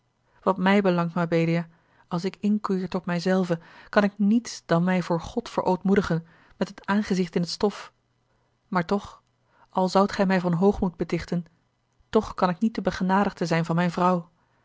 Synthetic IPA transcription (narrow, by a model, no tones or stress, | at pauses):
ʋɑtmɛjbəlɑŋtmabejdija | ɑlˠs̬ɪkɪŋkyɪːɹtɔtmɛjzɛlˠvəkɑnɪk̚nitsd̥ɑnmɛjvʊːɹχɔtfə̰ɹʔowtmudəχən | mɛtɦətaːnχəzɪχtɪnɦətstɔf | maːɹtɔχ | ʔɑlˠzʌwtχɛjmɛjvɑnɦowχmud̚bətɪχtən | tɔχkɑnɪknit̚dəbəχənaːdəχdəzɛjnvɑnmɛjnvrʌw